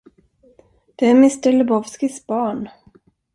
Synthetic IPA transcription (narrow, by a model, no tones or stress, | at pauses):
d̪̥ɛæmɪst̪əlɛbɔvskɪsbɑːɳ